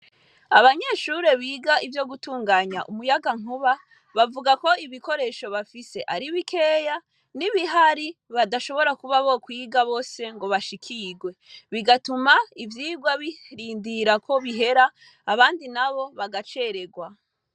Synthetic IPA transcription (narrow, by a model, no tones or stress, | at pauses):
aβaɲe̞ːʃuɾe̞βiːɡaʔivjo̞ɡutuːŋɡaːɲa̰ʔumujaɡaŋ̥uβa | βavuɡako̞iβiko̞ɾe̞ːʃo̞βafise̞ʔaɾiβikʰe̞ːja | niβiɦaɾiβadaʃo̞βo̞ɾakuβaβo̞kwiːɡaβo̞ːse̞ŋɡo̞βaʃikʰiɡwe̞βiɡatumaivjiːɡwaβiɾiːndiɾako̞βiɦe̞ɾaː | βaːndinaβo̞βaɡat͡ʃe̞ɾe̞ɡwa